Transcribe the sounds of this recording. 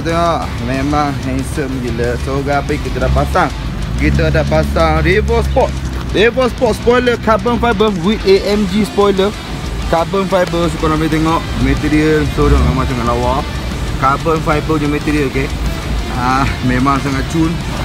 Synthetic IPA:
t̪eŋɔʔ | memaŋɦɛŋsəmd͡ʒiləsoɡapəikit̪adaʔpasaŋ | kit̪ədaʔpasaŋɾivɔspɔt̪̚ɾevɔspɔt̪̚spɔjləkabənfajbəwieʔɛmd͡ʒispɔjlə | kabənfajbəs̬ikonomit̪ɛŋɔʔmɛt̪iɾiəlsodaŋamat͡ʃaŋalawaf | kabənfajbəɲəmɛt̪iɾiəlke | amẽmãŋs̬aŋaʔt͡ʃun

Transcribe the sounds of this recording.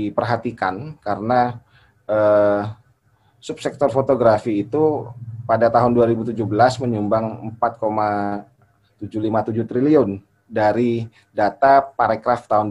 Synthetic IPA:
ipərɦat̪ikankaɾəna | ə | sup̚sɛk̚t̪ɔrfot̪oɡɾafiːt̪upadat̪aɦʊnduaɾibut̪ud͡ʒubəlasməɲumbaŋəmpat̪̚koma | t̪ud͡ʒulimat̪ud͡ʒut̪ɾiliʊn | daɾi | dat̪apaɾekɾaft̪aɦʊn

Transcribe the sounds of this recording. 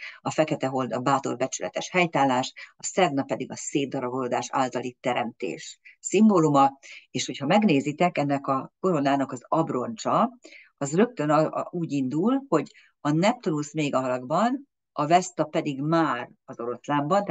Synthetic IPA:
ɒfɛkɛt̪ɛɦo̞ld̪ɒbaːt̪o̞̰rbɛt͡ʃylɛ̰t̪ɛʃhɛjt̪aːlːaːʃɒsɛɡnɒpɛd̪iɡɒseːd̪̚ɒɾɒboloːd̪aːʃa̰ːlt̪ɒlit̪ːɛɾɛmt̪ḛːʃsimboːlumɒeːʃho̞chɒmɛɡneːzit̪ɛkɛnːɛkɒko̞ɾo̞naːnɒkɒzɒbro̞nt͡ʃɒ | ɒzrø̞k̚t̪ø̞nuːɟind̪ulho̞ɟ | ɒnɛp̚t̪onulsmeːɡɒɦɒlɒɡbɒn | ɒvɛst̪ɒpɛd̪iɡmaːr | ɒzo̞ɾo̞slaːmbɒnt̪

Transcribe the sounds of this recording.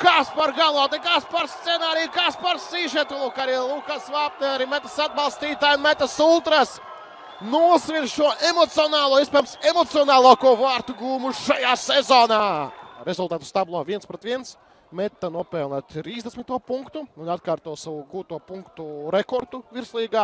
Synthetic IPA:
kaːspaɾɡalˠoːt̪ekaːspaɾst̪sɛnaːɾijukaspaɾsiːʒiɛt̪ulˠukaɾilˠukasvaːp̚nɛaɾimɛt̪asad̪̚balˠst̪iːt̪aːjunmɛt̪asulˠt̪ɾas | nuɔsʋinʃuɔʔemɔt̪siɔnaːlˠuɔiɛspɛjmsemɔt̪siɔnaːlˠuɔkuvaːɾt̪uɡuːmuʃajaːsezɔːnaːɾezulˠt̪aːt̪u̥st̪ablˠoɔviɛnspɾot̪ʋiɛns | mɛt̪ːanuɔpɛlˠnʲat̪ɾiːzd̪esmʲit̪ːuɔpuŋkt̪uunat̪̚kaːɾt̪uɔsaʋuɡuːt̪uɔpuŋkt̪uɾɛkɔɾt̪uviɾslˠiːɡaː

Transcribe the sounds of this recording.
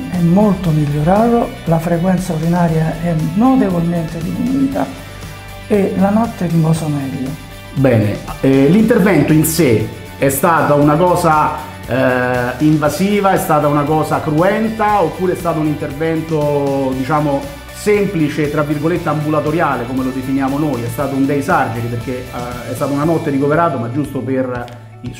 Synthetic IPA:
ɛmːolt̪omiʎːoɾaːðolafɾekwɛnt̪saoɾinaːɾjaɛnot̪evolment̪ed̪ifinuːt̪a | elanɔt̪ːɛɾimbɔsomɛːlːo | bɛːnḛlint̪ervɛnt̪oinse | ɛst̪aːt̪aunakɔːza | iɱvaziːvaɛst̪aːt̪aunakɔːzakɾuɛnt̪aopːuːɾeɛst̪aːt̪ounint̪ervɛnt̪od̪it͡ʃaːmo | semplit͡ʃet̪ːɾavːirɡolet̪ːeambulat̪oɾjaːlekomelod̪efinjaːmonojɛst̪aːt̪ound̪ejsard͡ʒeɾiperk̟eɛst̪aːt̪aunanɔt̪ːeɾikoveɾaːt̪omad͡ʒːust̪oper | i

